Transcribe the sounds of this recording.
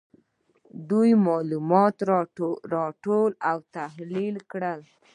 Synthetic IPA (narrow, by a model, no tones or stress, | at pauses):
d̪ujmɑlumɑt̪ɾɑʈolawt̪ahlilkɽəl